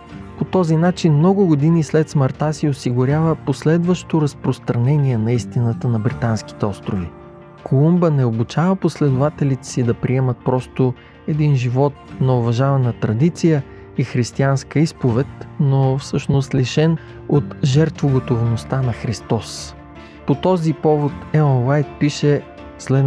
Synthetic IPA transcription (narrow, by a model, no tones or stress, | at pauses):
pot̪ɔzinat͡ʃinmnɔɡʊɡod̪inislɛt̪sməɾt̪asiosiɡʊɾʲavəposlɛd̪vəʃt̪oɾɐspɾost̪ɾɐnɛniɛnɐist̪inət̪ənɐbɾit̪anski̥t̪ɛɔst̪ɾovi | kʰolˠumbənɛobut͡ʃavəposlɛd̪ovat̪ɛlit̪ɛ̥sid̪ɐpɾiɛmət̪̚pɾɔst̪o | ɛd̪inʒivɔt̪̚nɐovɐʒavɐnət̪ɾɐd̪it̪sijə | ixɾist̪ianskəispovɛt̪nofsɤʃnost̪liʃɛn | ot̪ʒɛɾt̪voɡot̪ovnost̪anɐxɾist̪ɔs | pot̪ɔzipɔvot̪ɛəwajt̪̚piʃɛ | slɛ